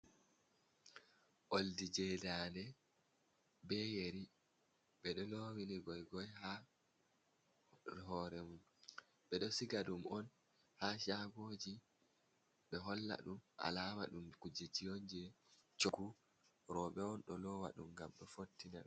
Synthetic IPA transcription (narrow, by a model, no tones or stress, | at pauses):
ʔoldid͡ʒɛdaːndɛ | bɛjeɾi | ɓɛɗɔloːwiniɡɔjɡɔjha | ɦɔːɾɛmum | ɓɛɗɔsiɡadumɔn | haʃaɡoːd͡ʒi | ɓɛɦɔlːa̰ɗumʔa̰laːma̰ɗumkud͡ʒid͡ʒijond͡ʒɛt͡ʃoɡu | ɾɔɓɛɔnɗɔlɔwa̰ɗṵmɡamɗɔfotːinaɗɔ